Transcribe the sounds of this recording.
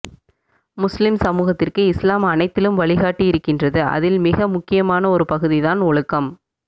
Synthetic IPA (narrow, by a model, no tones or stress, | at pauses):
mʊslɪmsɐmuːɣɐt̪ːɪrkɯɪslaːmɐnɐɪt̪ːɪlɯmʋɐɭɪɣaːʈːiɪɾɯkːɪndrɐðɯʔɐ̰ðɪlmɪɣɐmʊkːɪjɐmaːnɐɔɾɯpɐɣɯðiðaːnɔɭɯkːɐm